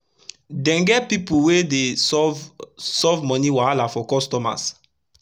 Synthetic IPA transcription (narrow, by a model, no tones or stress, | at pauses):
dɛ̃nɡɛpipuwedevsɔvmɔ̃niwalafɔkɔstɔma̰s